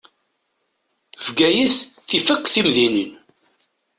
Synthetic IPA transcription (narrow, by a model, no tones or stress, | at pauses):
vɡæjiθθifəkʷːθimðinin